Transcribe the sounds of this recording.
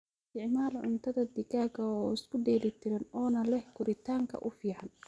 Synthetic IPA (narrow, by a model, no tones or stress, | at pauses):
sɪt̪ʰɪʕmaːlʕʊ̰nt̪ʰɐðɐd̪ɪkaːkɐɔːɪskʰʊɖɛːlɪt̪ʰɪɾɐnɔːnɐlɛhkʰʊɾɪt̪ʰaːŋkʰɐ̰ʔʊfiːʕan